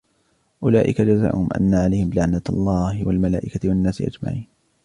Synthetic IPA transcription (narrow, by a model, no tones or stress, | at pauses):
ʔʊlaːʔɪkad͡ʒaza̰ːʔʊhʊmʔa̰nːaʕalajhɪmlaʕnalˤːɑːhɪwalmalaːʔɪkawanːaːsɪ̰ʔa̰d͡ʒma̰ʕiːn